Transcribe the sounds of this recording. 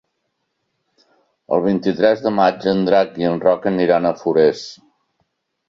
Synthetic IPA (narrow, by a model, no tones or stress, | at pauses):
ə̰lˠβ̞int̪it̪ɾɛzðəmad͡ʒənd̪ɾak̚iənrɔkəniɾanəfuɾes